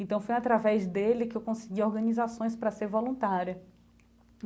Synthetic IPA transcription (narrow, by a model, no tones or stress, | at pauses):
ẽnt̪ɐ̃w̃fojat̪ɾavɛzd̪elɪkɪewkõsɪɡiɔɾɡɐ̃nizasõj̃spɾɐseɾvolũt̪aɾjɐ